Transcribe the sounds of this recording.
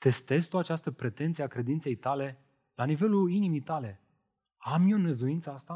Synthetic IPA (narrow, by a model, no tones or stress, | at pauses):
t̪e̞st̪e̞zt̪uat͡ʃast̪əpɾe̞t̪e̞nt̪sieakɾe̞d̪int̪se̞jt̪ale̞ | lanive̞luinimit̪ale̞ | amionezuint̪səast̪a